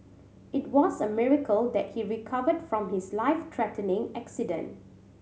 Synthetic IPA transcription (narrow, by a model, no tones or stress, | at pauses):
ʔɪt̚wɔzəmɪɹəkʰəld̪ɛt̚hiɹikʰavədfɹɔ̃mhɪslaɪftʰɹɛtənɪ̃ŋæksɪdə̰̃nt